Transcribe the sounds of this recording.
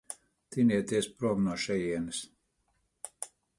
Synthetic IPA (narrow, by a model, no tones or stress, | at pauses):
t̪iniɛt̪iɛspɾuɔmnuɔʃɛjiɛnɨs